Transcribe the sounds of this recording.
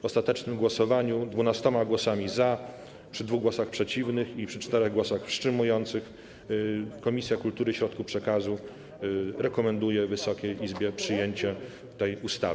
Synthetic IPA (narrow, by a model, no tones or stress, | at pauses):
ɔst̪at̪ɛt͡ʂnɘmɡwɔsɔvaɲud̪vunast̪ɔmaɡwɔsamʲiza | pʂɘd̪vuɣɡwɔsaxpʂɛt͡ɕivnɘxipʂɘt͡ʂt̪ɛɾɛɣɡwɔsaxfʂt͡ʂɘmujɔnt̪sɘx | kɔmʲisʲjakult̪uɾɘɕɾɔt̪kupʂɛkazu | ɾɛkɔmɛnd̪ujɛvɘsɔkʲɛjizbʲjɛpʂɘjeɲt͡ɕɛ | t̪ɛjust̪a̰v